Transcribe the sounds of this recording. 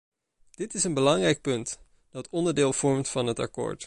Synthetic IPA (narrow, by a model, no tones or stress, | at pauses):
d̥ɪtɪsənbəlɑŋrɛjk̚pɵnt | d̥ɑtɔndəɹdɪːlˠv̥ɔɹmtfɑnɦətɑ̰ko̰ːɹt